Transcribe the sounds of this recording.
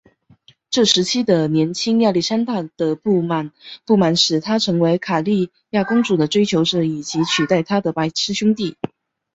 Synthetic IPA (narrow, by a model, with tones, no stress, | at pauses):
ʈ͡ʂɤ˥˩ʂɻ̩˧˥t͡ɕʰi˥d̪ə˨njɛ˧˥nt͡ɕʰi˥ŋja˥˧li˥˩ʂa˥nt̪a˥˩d̪̥ə˨pu˥˩ma˨˩˦npu˥˩ma˨˩nʂɻ̩˨˩t̪ʰa˥ʈ͡ʂʰɤ˧˥ŋwe˧˥ɪkʰa˨˩li˥˧ | ja˥˩kʊ˥ŋʈ͡ʂu˨˩d̪ə˦ʈ͡ʂwe˥ɪt͡ɕʰjo˧˥ʊʈ͡ʂɻ̩˥˩i˨˩t͡ɕi˧˥t͡ɕʰy˨˩t̪a˥˩ɪt̪ʰa˥d̪ə˨pa˧˥ɪʈ͡ʂʰɻ̩˥ɕʊ˥ŋt̪i˥˩